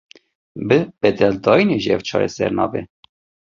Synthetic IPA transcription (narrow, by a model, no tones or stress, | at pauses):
bəbɛt̪ɛld̪ɑineʒjɛvt͡ʃʰɑ̰ɾɛ̰sɛ̰ɾnɑve